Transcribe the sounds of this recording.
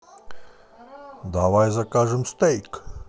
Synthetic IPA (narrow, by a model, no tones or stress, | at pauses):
d̪aʋajzakaːʐɨmst̪ɛjk